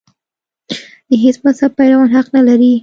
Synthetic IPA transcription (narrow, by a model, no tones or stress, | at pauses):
d̪əɦesmashab̚pajɾawɑnɦaqnalaɾi